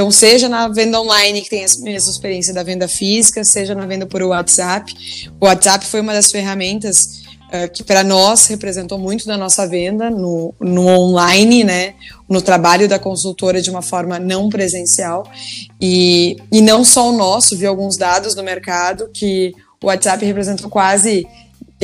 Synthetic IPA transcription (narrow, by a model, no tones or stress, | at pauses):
t̪ɐ̃w̃seʒɐnɐvẽnd̪ɐõlajnɪkɪ̥t̪ẽj̃ɛsmɛsɐɪspeɾiẽs̬iɐd̪ɐvẽnd̪ɐfizikɐseʒɐnɐvẽnd̪ɐpoɾʊat̪z̥apɪ̥ʊat̪z̥apɪ̥fojũmɐd̪ɐsfeɦamẽnt̪ɐs | ɛkɪ̥pɾɐnɔshepɾezẽnt̪owmũj̃t̪ʊd̪ɐnɔsɐvẽnd̪ɐnʊnʊõnlajnɪnɛnʊt̪ɾabaʎʊd̪ɐkõsuwt̪oɾɐd͡ʒɪũmɐfɔɾmɐnɐ̃w̃pɾezẽsiawɪɪnɐ̃w̃sɔʊnɔsʊviwawɡũzd̪ad̪ʊznʊmeɾkad̪ʊkʲɪ | ʊ̰at̪z̥apɪhepɾezẽnt̪owkwazɪ